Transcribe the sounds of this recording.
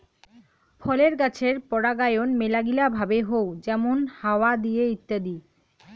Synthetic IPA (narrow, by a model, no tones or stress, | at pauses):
fʰɔleɾkat͡ɕʰeɾpɔɽaɡajonmelaɡilabʱabeɦowd͡ʑɛmonhaowad̪ijeit̪ːad̪i